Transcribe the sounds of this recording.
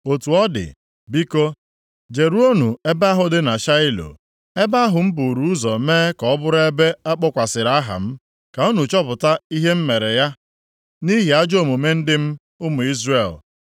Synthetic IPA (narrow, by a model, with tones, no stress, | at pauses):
o˨tu˨ɔ˦dɪ̰˨ | bi˦ko˦ | d͡ʒe˨ɾu˦o˦nu˨e˦ba˦ɦʊ˨dɪ˦na˨ʃa˦ɪ˦lo̰˨ | e˦ba˦ɦʊ˨m̩˦bu˨ɾu˦ʊ˦zɔ˨meː˦kɔ˨ɔ˦bʊ˦ɾe˦be˦a˦k͡pɔ˦kʷa˨sɪ˨ɾa˦ɦa̰˨m̩˦ | ka˨o˦nu˨t͡ʃɔ˦pʊ˨ta˦i˦ɦe˦m̩˦me˨ɾe˨ja˦ | ni˦ɦi˨a˦d͡ʒo˦˨mu˨me˦n̩˦dɪ˦m̩˦ | ʊ˦mʊ˨i˦zre˨l